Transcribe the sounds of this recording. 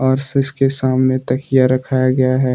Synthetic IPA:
aːɾsɪskesaːmnet̪ɐkɪjaɾɐkʰaːjaɡɐjaɦɛː

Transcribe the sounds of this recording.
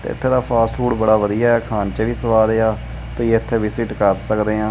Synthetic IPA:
t̪ḛɪ̰t̪ʰːeːd̪aːpʰaːsʈfuːɽbəɽaːʋəd̪ijaːɦɛːkʰaːnt͡ʃəʋiːsəʋaːd̪eːaː | t̪oːjeːɪt̪ʰːeːʋɪsɪʈkəɾsəkd̪eːɦãː

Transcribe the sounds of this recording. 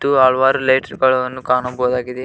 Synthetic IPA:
ʈːuɐɭʋaːɾulejʈɐɾɡɐɭɐʋɐnːukaːɳɐbɔɦːd̪aːɡid̪e

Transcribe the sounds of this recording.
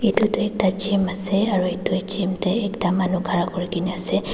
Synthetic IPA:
itutʊɛk̚tat͡ʃimasɛaɹuitut͡ʃimtɛɛktamanuɡʱaɹakɔɹikiniasɛ

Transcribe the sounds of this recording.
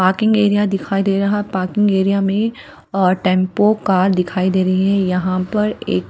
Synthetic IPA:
paːɾkɪ̃ŋɡeːɾijad̪ɪkʰaːid̪eːɾɐɦaɦɛpaːɾkɪ̃ŋɡeːɾijamẽ | ʈɛ̃ːmpokaːɾd̪ɪkʰaːid̪eːɾɐɦiɦɛ̃jɐɦãpɐɾḛːk

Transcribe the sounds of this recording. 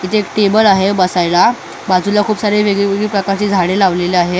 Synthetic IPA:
it̪ʰeekʈebəlaɦebəsajla | bad͡zulakʰuːpsaɾeʋeɡɭiʋeɡɭiːpɾəkaɾt͡ɕiːd͡zʱaɽ̃elaʋleleaɦe

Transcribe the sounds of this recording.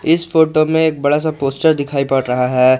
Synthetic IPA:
ɪsfoːʈomẽeːk̚bɐɽas̬apoːsʈəɾd̪ɪkʰaːipaɽɾɐɦaɦɛː

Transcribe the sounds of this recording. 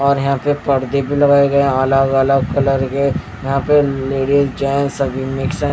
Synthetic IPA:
ɔːɾjɐɦãpepɐɽd̪ebʱilɐɡaːeɡɐẽɐləɡələɡ̚kɐləɾɡee | jɐɦãpeleːɽizd͡ʒaẽsɐbʱimɪksa

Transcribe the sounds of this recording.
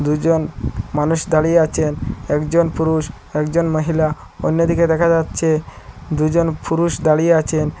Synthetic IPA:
d̪ud͡ʑonmanuʃd̪aɽieat͡ɕʰenɛkd͡ʑonpuɾuʃ | ɛkd͡ʑonməɦila | onːod̪ʱiked̪ɛkʰad͡ʑatːɕʰed̪ujd͡ʑonpuɾuʃd̪aɽieat͡ɕʰen

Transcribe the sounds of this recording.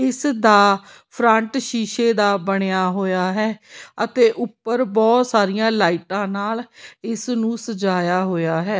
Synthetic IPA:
ɪsd̪aː | pʰɾəɳʈʃiːʃeːd̪aːbəɽ̃ejaːɦoːjaːɦɛːət̪eːʔʊpːəɾbɔːt̪saːɾɪjãːlaːiʈãːnaːlɪsnũːsəd͡ʒaːjaːɦoːjaːɦɛː

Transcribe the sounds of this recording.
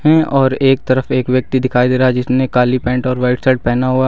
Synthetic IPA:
ɦɛ̃ɔːɾeːk̚t̪ɐɾəfeːkʋjək̚t̪id̪ɪkʰaːid̪eːɾaɦɛd͡ʒɪsmẽkaːlipɛ̃ːɳʈɔːɾʋaɪʈsɛɖ̚pɛɦnaɦua

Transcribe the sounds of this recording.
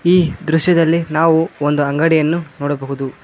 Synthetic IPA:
iːd̪ɾuʂjɐd̪ɐlːinaːʋuond̪uɐŋɡɐɽijɐnːunoːɽɐbɐɦud̪u

